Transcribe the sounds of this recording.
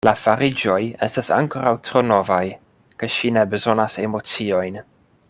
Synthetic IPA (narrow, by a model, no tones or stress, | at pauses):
lafaɾɪd͡ʒɔjɛstasa̰ŋkʰɔɾawtʰrɔnɔvaj | kʰaʃinɛbəzɔnasɛmɔt͡siɔjn